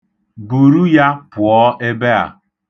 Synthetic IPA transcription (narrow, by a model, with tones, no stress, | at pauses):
bu˨ɾu˦ja˦pʊ˨ɔ˦ʔe˦be˦a̰˨